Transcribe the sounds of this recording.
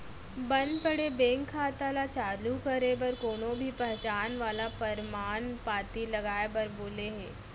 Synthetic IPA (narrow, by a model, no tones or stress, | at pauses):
bənd̪pəɽebẽŋkʰːaːt̪alat͡ʃaːlukəɾebəɾkoːɽ̃obʱiːpɛɦt͡ʃaːnʋaːlapəɾmaːɳpaːt̪ilɐɡaːebəɾboːleɦeː